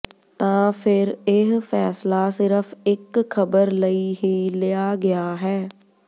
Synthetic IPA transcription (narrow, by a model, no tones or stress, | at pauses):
t̪ãːfʰɪɾeɦfɛːslasɪɾəfɪkʰːɐbəɾləiɦilejaɡɐjaɦɛː